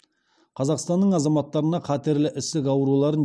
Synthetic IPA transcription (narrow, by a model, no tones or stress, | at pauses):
qʰɑzɑqst̪ɑnːəɴɑzɑmɑt̪ːɑɾənɑqʰɑt̪e̞ɾlɪʔɪst̪ɪkɑwəɾulˠɑɾən